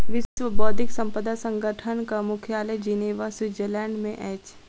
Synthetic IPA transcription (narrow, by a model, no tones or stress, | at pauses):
ʋɪʃwəbɔːd̪ʱɪksɐ̃mpəd̪asə̃ŋɡəʈʰənkamʊkʰjaːləjd͡ʒineːʋaswɪzəlɛːɳɖmẽʔɛːt͡ʃ